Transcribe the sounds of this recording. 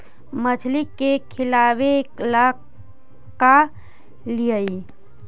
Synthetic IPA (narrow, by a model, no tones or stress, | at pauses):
mət͡ʃʰlikːekʰɪlabeklak | ka | liəi